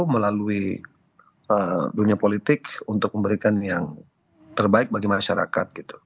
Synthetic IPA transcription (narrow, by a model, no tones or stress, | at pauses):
məlalui | əduniapolit̪ɪkunt̪ʊk̚məmbəɾikanjaŋ | t̪ərbaɪk̚baɡimaʃaɾa̰ka̰t̪̚ɡ̥it̪u̥